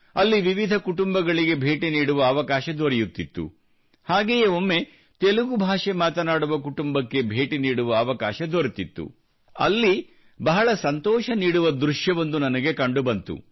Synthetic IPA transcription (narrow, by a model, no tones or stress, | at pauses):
ɐlːiʋiʋid̪ʱɐkuʈumbɐɡɐɭiɡe̞bʱe̞ːʈiniːɽuʋɐːʋɐkaːʃɐd̪oɾjut̪ːit̪ːṵ | haːɡeːjeomːe̞ | t̪eluɡubʱaːʂemaːt̪ɐnaːɽuʋɐkuʈumbɐkːe̞bʱe̞ːʈiniːɽuʋɐːʋɐkaːʃɐd̪oɾit̪it̪ːṵ | ɐ̰lːi | bɐɦɐɭɐsɐnt̪ɔːʃɐniːɽuʋɐd̪ɾuʂjɐʋɐnd̪unɐnɐɡe̞kɐɳɖubɐnt̪ṵ